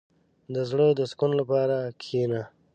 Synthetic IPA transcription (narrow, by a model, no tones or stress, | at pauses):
d̪əzɽəd̪əskunlapɑːɾakʰina